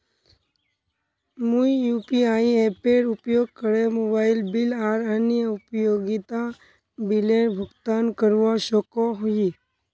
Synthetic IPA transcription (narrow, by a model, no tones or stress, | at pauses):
muijuːpiaːiepeːɾʊpjoːɡ̚kəɾemoːbaːɪlbɪlaːɾənjəʊpjoːɡit̪a | bɪleʈbʱʊɡt̪aːnkəɾʋaʃɔkoɦui